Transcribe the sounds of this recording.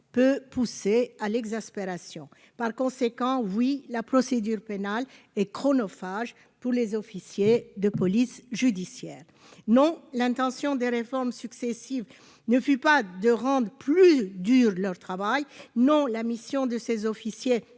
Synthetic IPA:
pøpusealɛɡzaspeʁasjɔ̃ | paʁkɔ̃sekɑ̃wilapχɔsed̪yʁpenal | ɛkχɔnɔfaʒ | puʁlezɔfisjed̪əpɔlisʒyd̪isjɛːʁ | nɔ̃lɛ̃t̪ɑ̃sjɔ̃d̪eʁefɔʁmsyksesiv | nəfypad̪əʁɑ̃d̪ʁəplyd̪yːʁlœʁt̪χavajnɔ̃lamisjɔ̃d̪əsezɔfisje

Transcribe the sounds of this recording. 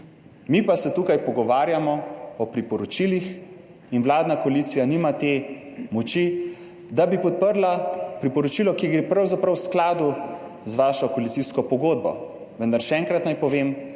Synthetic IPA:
mipasɛt̪uːkajpɔɡɔʋaːɾjamɔɔpɾipɔɾɔt͡ʃilix | inwlaːd̪nakɔaliːt̪sijanimat̪emɔt͡ʃi | d̪abipɔt̪̚pəɾlapɾipɔɾɔt͡ʃiːlɔkiɡɾepɾawzapɾawsklaːd̪u | zʋaːʃɔkoalit̪siskɔpɔɡoːd̪̚bɔ̰ | ʋənd̪aɾʃɛɛːŋkɾat̪najpɔʋeːm

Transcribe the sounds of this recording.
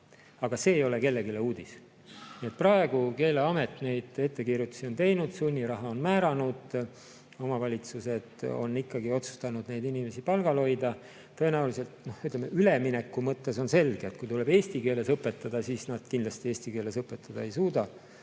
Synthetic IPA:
ɑɡ̥ɑse̞ːjo̞le̞ke̞lːe̞ɡile̞uːd̪̥is | nie̞t̪̚prɑe̞ɡ̥uke̞ːleɑme̞t̪ne̞jd̪̥e̞t̪ːe̞kirjut̪ːˑu̥sio̞nt̪e̞jnud̪̥sunʲːiɾɑɦɑo̞nmæːɾɑnud̪̥ | o̞mɑvɑlʲit̪suse̞d̪̥o̞̰nːikːɑɡio̞t̪su̥st̪ɑnud̪ne̞jd̪inime̞sipɑlɡ̥ɑlo̞jd̪ɑ | t̪ɤ̞e̞næulise̞lt̪nohyt̪lemeyle̞minekːˑumɤt̪ːe̞so̞nse̞lɡ̥eet̪̚kujt̪uleb̥e̞ːsʲt̪ike̞ːle̞sɤpːˑet̪ːɑd̪̥ɑsiːsnɑd̪̥kinlɑst̪ie̞ːsʲt̪ike̞ːle̞sɤpːˑe̞t̪ːˑɑd̪̥ɑe̞jsuːd̪̥ɑ

